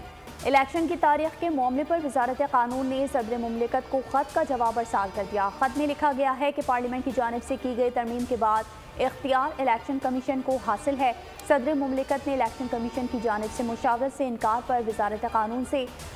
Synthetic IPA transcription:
ɪlɛːkʃənkit̪aːɾiːxkemɔːmlepɐɾʋɪzaːɾət̪eqaːnuːnːesɐd̪ɾemʊmlɪkət̪koxɐt̪kad͡ʒɐʋaːbɐɾsaːɾkɐɾd̪ijaxɐt̪mẽlɪkʰaɡɐjaɦɛkepaːɾliːmɛ̃ɳʈkid͡ʒaːnɪbsekiɡɐit̪ɐɾmiːmkebaːd̪̚ | ɪxt̪ijaːɾɪlɛːkʃənkɐmɪʃənkoɦaːsɪlɦɛ | sɐd̪ɾemʊmlɪkət̪neɪlɛːkʃənkɐmɪʃənkid͡ʒaːnɪbsemʊʃaːəd̪seɪ̃nkaːɾpɐɾʋɪzaːɾət̪eqaːnuːnse

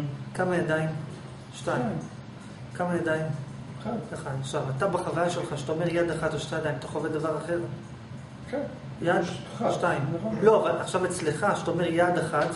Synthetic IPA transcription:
kamajad̪aim | ʃtaim | kamajad̪aim | kaχaχʃavat̪abeχavajaʃelχaʃet̪aomeʁjad̪aχat̪oʃt̪ajadajimat̪oχaoved̪avaʁaχe̞ʁ | k | jad̪ʃtaimlo̞avalaχʃavet͡sleχaʃetaome̞ʁjad̪aχat̪

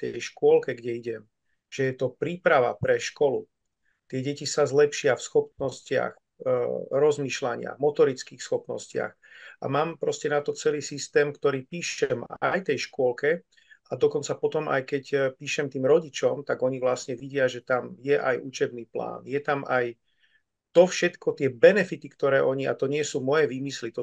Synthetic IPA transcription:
t̪ɛjʃkʊɔlkɛɡɟɛiɟɛm | ʒ̥ɛjɛt̪ɔpɾiːpɾaʋa̰pɾɛʃkɔlu | t̪ɪɛɟɛcisazlɛpʃɪafsxɔp̚nɔscɪa̰x | ɾɔzmiːʃlaɲɪa̰ɣmɔt̪ɔɾit͡skiːxsxɔpnɔ̰scɪa̰x | ʔa̰maːmpɾɔscɛnat̪ɔt͡sɛliːsist̪ɛːmkt̪ɔɾiːpiːʃɛma̰jt̪ɛjʃkʊɔlkɛ | ad̪ɔkɔnt͡sapɔt̪ɔmʔa̰jkɛcpiːʃɛmt̪iːmɾɔɟit͡ʃɔmt̪aɡɔɲivʋlasɲɛʋiɟɪaʒɛt̪amjɛʔajʔut͡ʃɛbniːpla̰ːnjɛt̪amaj | t̪ɔfʃɛt̪kɔt̪ɪɛbɛnɛfit̪ikt̪ɔɾɛːʔɔɲia̰t̪ɔɲɪɛsuːmɔjɛʋiːmislit̪ɔ

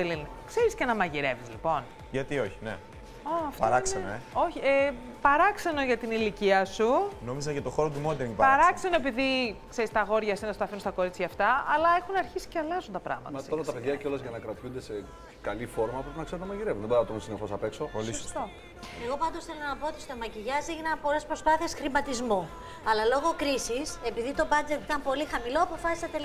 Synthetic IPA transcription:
elinkse̞ɾiscenɐmɐʝiɾe̞vizlipo̞n | ʝɐt̪io̞çi̥nḛ | opɐɾɐksenno̰eo̞çie | pɐɾɐkse̞no̞ʝɐt̪iniliciɐsuno̞mizɐcɐt̪o̞xo̞ɾot̪̬umod̪eipɐɐɾɐkse̞no̞epiðikseɾist̪ɐɣo̞ɾʝɐsinɐsu̥t̪ɐfinunst̪ɐko̞ɾit͡sçɐːft̪ɐɐlɐexunɐɾçisi̥ceɐlɐzunt̪ɐpɾɐ̰ɣmɐt̪mɐtɐoɾɐt̪ɐpeðʝɐceo̞lɐzʝɐnɐkɾɐt̪çund̪ese̞ | kɐlifo̞ɾmɐpɾe̞pinɐkseot̪nɐmɐʝiɾevunðeboɾnɐt̪onsinexo̞sɐpe̞kso̞olist̪o | eɣo̞pɐnd̪osθelonɐpoot̪ist̪omɐciʝɐziʝinɐnpo̞lespɾo̞spɐθiesxɾimɐt̪izmu | ɐlɐlo̞ɣo̞kɾisise̞piðit̪o̞bɐd͡ze̞t̪it̪ɐmpo̞lixɐmilo̞ɐpo̞fɐsi̥sɐt̪el

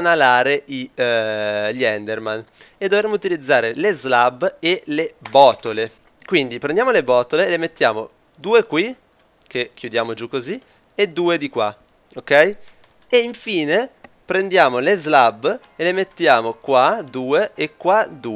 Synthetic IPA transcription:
nalaːɾei | ʎɛnd̪erman | ed̪ːovɾemːout̪ilid̪zːaːɾelezlabelebɔːt̪ole | kwind̪ipɾend̪jaːmolebɔːt̪olelemet̪ːjaːmo | d̪uːekwi | k̟ekːjud̪jaːmod͡ʒukːozi | ed̪uːed̪ikwa | okːɛj | eiɱfiːne | pɾend̪jaːmolezlabː | elemet̪ːjaːmokwad̪uːeekːwad̪uː

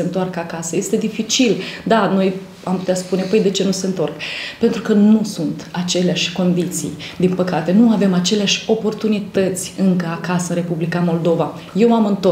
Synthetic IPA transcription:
ent̪oarkakasəje̞st̪e̞d̪ifit͡ʃild̪ano̞j | ampu̥t̪easpune̞pəjd̪e̞t͡ʃe̞nuse̞nt̪o̞rkpe̞nt̪ɾukənusunt̪at͡ʃe̞leaʃʲko̞nd̪it̪sḭjd̪inpəkat̪e̞nuave̞mat͡ʃe̞leaʃʲo̞po̞rt̪unit̪ət̪sʲɨŋkəakasəɨnre̞publikamo̞ld̪o̞va | je̞wamɨnt̪o

